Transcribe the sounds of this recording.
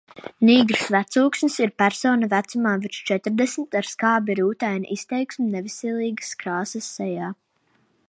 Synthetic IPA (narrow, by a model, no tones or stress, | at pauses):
niːɡɾsvæt̪suːksnisiɾpæɾsɔːnavæt̪sumaːvit͡ʃt͡ʃɛt̪ɾd̪ɛsmit̪aɾskaːbʲiɾuːt̪ajnʲḭʔist̪ɛjksmunɛvisɛlˠiːɡə̥skɾaːsɐsːɛjaː